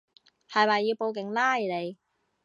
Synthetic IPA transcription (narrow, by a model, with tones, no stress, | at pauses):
hɐ˨jmɐː˨˩jːiː˧wpo˧wkɪ˨˩ŋlaː˥i˨˩le˨˧j